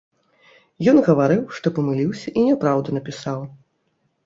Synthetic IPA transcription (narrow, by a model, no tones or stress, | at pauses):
jɔnɣɐvaɾɨwʂt̪ɔpɐmɨlʲiwsʲɐʔinʲɛpɾawd̪ɐnɐpʲisaw